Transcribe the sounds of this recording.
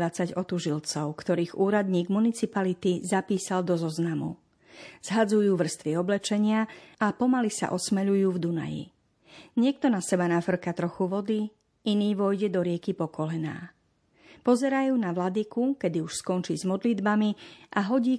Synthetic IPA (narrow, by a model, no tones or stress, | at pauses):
ʋat͡saɟɔt̪uʒilt͡sɔʊkt̪ɔɾiːɣuːɾad̪ɲiːɡmunit͡sipalit̪izapiːsald̪ɔzɔznamṵ | z̥ɦad͡zujuːʋr̩st̪ʋiɔblɛt͡ʃɛɲɪaapɔmalisa̰ʔɔsmɛʎujuːvd̪una̰jḭ | ɲɪɛk̚t̪ɔnasɛbanafr̩kat̪ɾɔxuʋɔd̪i | iniːʋɔjɟɛd̪ɔɾɪɛkipɔkɔlɛna̰ː | pɔzɛɾajuːnaʋlad̪ikukɛd̪iuʃskɔnt͡ʃiːzmɔd̪lid̪bamiʔaɦɔɟiː